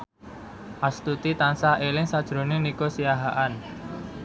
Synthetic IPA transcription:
ʔast̪ut̪it̪ansaɦelɪŋsad̥ʒ̥ɾo̤nenikosijaɦaʔan

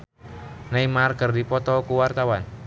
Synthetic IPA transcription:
naimarɡ̥ərdipɔt̪ɔkuwart̪awan

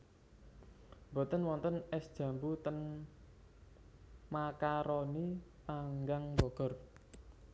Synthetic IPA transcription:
mbɔ̤t̪ənwɔnt̪ənɛsd̥ʒ̥ä̤mbut̪ən | makaɾɔni | paŋɡaŋbɔɡ̥ɔ̤r

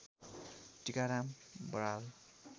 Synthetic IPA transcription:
tikaɾambɾal

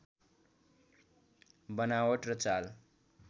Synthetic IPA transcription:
bʌnawʌʈrʌt͡sal

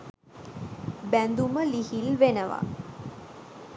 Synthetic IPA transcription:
bænd̪uməlihilʋenəʋa̰

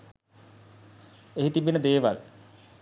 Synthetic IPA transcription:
eɦit̪ibinəd̪eːʋa̰l

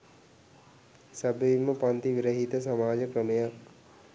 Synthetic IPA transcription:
sɐbiimɐpant̪iʋiɾɐɦit̪ɐs̬ɐmaːd͡ʒəkɾɐmɐja

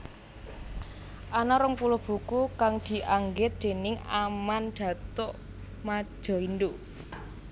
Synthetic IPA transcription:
ʔanaɾəŋpulʊb̥ṳkukaŋd̪̥i̤ʔaŋɡɪt̪̚d̪̥e̤nɪŋamanɖ̪̥ä̤t̪ɔʔ | mḁʒ̥ɔ̤ind̪u

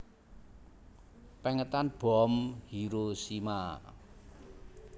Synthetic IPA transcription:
pɛŋət̪anb̥ɔmhiɾosima

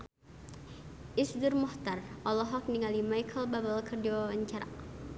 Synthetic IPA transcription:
ʔɪsdʊrmɔht̪arʔɔlɔɦɔk̚niŋalimajkʰəlbabalkʰərdiaaɲt͡ʃaɾa̰

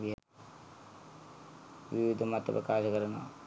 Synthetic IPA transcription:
iɦ | ʋiʋid̪ʱɐmat̪ːɐpɐ̰kaːʃɐkɐɾɐnɐ

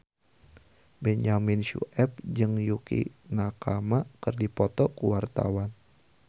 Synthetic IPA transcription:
bɛɲaminʃṵʔɛp̚d͡ʒɨŋjukḭnakamakərdipɔt̪ɔkuwart̪a̰wan

